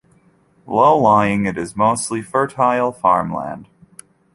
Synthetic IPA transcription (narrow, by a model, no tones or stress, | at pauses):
loʊlaɪɪ̃ŋɨɾɨzmoʊstˡlifɜ˞tʰaɪlˠfɑ̰ɹmlæ̰̃nd̥